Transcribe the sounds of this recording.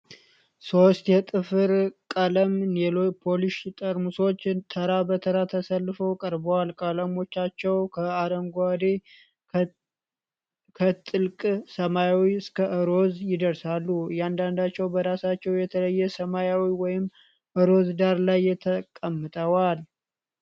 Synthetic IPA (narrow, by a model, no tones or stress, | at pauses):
so̞st̪jɛt̪ʼɨfɨɾkʼələmnelopʰo̞liʃt̪ʼəɾmuso̞t͡ʃːt̪ʰəɾabət̪ʰəɾat̪ʰəsəlːɨfəwkʼəɾbəwalkʼələmo̞t͡ʃːat͡ʃːɛwkʰəaɾəŋɡad̪e | kʰət̪ʼɨlkʼsəmajawiɨskʰəʔɨɾo̞zjɪd̪əɾsalːujɛand̪and̪at͡ʃːɛwbəɾasat͡ʃːɛwjɛt̪ʰələjːɛsəmajawiwɔjɪm | ʔɨɾo̞zd̪aɾlajːɛt̪ʰəkʼəmːɨt̪ʼəwal